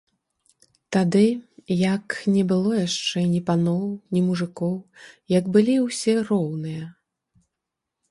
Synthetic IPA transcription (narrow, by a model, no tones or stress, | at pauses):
t̪ad̪ɨjɐknʲɛbɨlˠɔjaʂt͡ʂɛnʲipanɔwnʲimuʐɨkɔwjɐkbɨlʲiwsʲɛrɔwnɨjɐ